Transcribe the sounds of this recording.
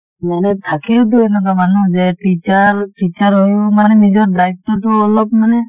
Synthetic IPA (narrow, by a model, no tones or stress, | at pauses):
manɛt̪ʰakilt̬uɛnɔk̬amanud͡ʒɛʈit͡ʃaɾʈit͡ʃaɾɦojɔmanɛnid͡ʒɔɾdajp̚tɔtɔɔlɔb̚manɛ